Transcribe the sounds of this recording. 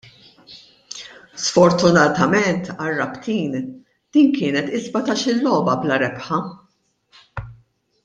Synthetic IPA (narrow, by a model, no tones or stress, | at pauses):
sfɔɾt̪ʊnɐt̪ɐmɛnt̪ɐrːɐpt̪iːn | d̪̥iːnkɪːnɛt̪ɪzbɐt̪ɐʃɪlːɔːbɐblɐɾɛpħɐ